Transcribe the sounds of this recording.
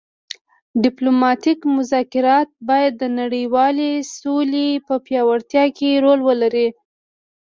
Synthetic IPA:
ɖɪplomɑt̪ikmʊzɑkɪɾɑt̪̚bɑjad̪ːənaɽəjwɑlesolepəpjɑwaɽt̪jɑkeɾolwəlaɾi

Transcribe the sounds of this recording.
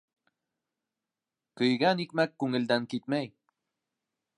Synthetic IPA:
kɵ̆jɡænikmækːʉŋɘ̆ld̪æŋkit̪̚mæj

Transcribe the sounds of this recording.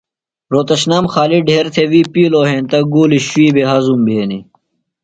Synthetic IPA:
ɾoːt̪ɐɕnɐmxaːliɖʱeːɾt̪ʰewiːpiːloːɦẽːnt̪ɐɡuːliɕwiːbeɦɐzumbʱeːnḭ

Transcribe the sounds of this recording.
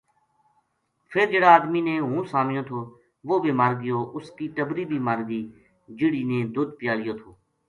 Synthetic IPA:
pʰɪɾd͡ʒeːɽaːd̪miːnẽːɦũːsaːmɪjoːt̪ʰoː | ʋoːbeːmaːɾɡɪjoːʔʊskiːʈəbɾiːbʱiːmaːɾɡiː | d͡ʒɪɽiːnẽːd̪ʊd̪pɪjaːlɪjoːt̪ʰoː

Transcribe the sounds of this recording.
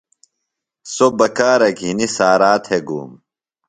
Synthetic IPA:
sobɐkaːɾɐɡʱinisaːɾaːt̪ʰheɡṵːm

